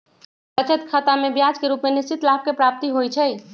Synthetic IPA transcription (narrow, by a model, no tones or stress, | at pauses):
kət͡ʃət̪kʰat̪amebjad͡ʒkeɾupmenist͡ʃit̪lap̚kepɾap̚t̪iɦojt͡ʃʰɛ